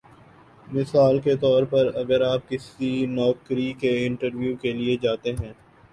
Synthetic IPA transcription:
mɪsaːlket̪ɔːɾpɐɾɐɡəɾaːp̚kɪsinɔːkɾikeɪ̃ɳʈəɾʋjuːkelied͡ʒaːt̪eɦɛ̃ː

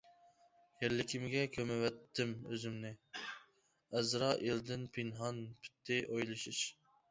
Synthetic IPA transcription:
jɛɾlɪkʲʰimɡʲɛkʲʰømɛwɛt̪ʰːɪmøzɪmnɪ | ɛzɾɑʔeld̪ɪnpʰinɦɑnpʰi̥t̪ʰːɪʔojlˠɨʃiʃ

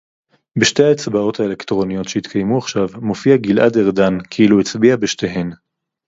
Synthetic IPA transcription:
beʃte̞jaet͡sbao̞taele̞kt̪ʁo̞nijo̞tʃeit̪kʰajmuaχʃavmo̞fiaɡilʔa̰deʁdankʰeiluet͡sbiabeʃte̞ɦe̞n

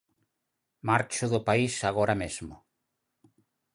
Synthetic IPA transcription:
maɾt͡ʃʊðʊpaisaɣ̞ɔɾamezmʊ

